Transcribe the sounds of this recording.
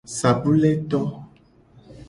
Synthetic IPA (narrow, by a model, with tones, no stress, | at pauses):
sa˨bu˦le˦t̪ɔ˦